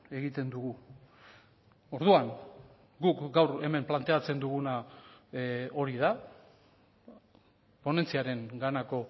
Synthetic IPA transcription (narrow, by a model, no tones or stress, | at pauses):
e̞ɣit̪e̞nd̪uɣu | o̞ɾð̞uaŋ | ɡukɡawɾe̞me̞mplant̪e̞at͡se̞nd̪uɣ̞una | o̞ɾiða | po̞ne̞nt͡siaɾe̞ŋɡanako̞